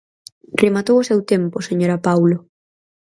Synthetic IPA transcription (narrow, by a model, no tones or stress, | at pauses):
remat̪owʊsewt̪empʊseɲoɾapawlo